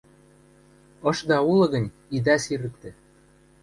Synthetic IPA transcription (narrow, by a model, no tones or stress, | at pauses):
ɤ̆ʃd̪ɑulɤ̆ɣɤ̆nʲ | id̪ɑsiɾə̆k̚t̪ĕ